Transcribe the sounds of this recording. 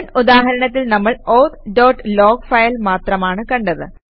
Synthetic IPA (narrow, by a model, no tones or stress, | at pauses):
nud̪aːɦɐɾɐɳɐt̪ːilnɐmːɐɭoːt̪ɖoːʈːlo̞ːɡfɐjɐlmaːt̪rɐmaːɳɨkɐɳɖɐðɨ̰